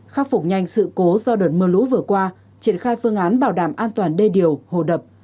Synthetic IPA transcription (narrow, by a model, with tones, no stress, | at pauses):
xaː˧wfʊ˨˩k͡p̚ɲa˨˩jŋ̟sɨ̰˧˨ko˨˦zɔ˧ɗəː˨˩t̚mɨː˨˩lṵ˧˥vɨ˨˩əkwaː˧ | t͡ɕi˧˩ənxaː˧jfɨ˧əŋʔaː˨˦nɓaː˧˩wɗaː˧˩mʔaː˧nt̪waː˨˩nɗe˧ɗi˨˩əwho̰˧˨ɗə˨˩p̚